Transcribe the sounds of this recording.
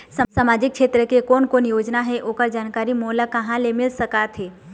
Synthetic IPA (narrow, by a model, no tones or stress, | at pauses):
səsamaːd͡ʒɪkʃʰeːt̪ɾəkekoːnkoːnjoːd͡ʒnaɦɛʔoːkəɾd͡ʒaːnkaːɾimoːlakɐɦãlemɪlsɐkat̪ɦeː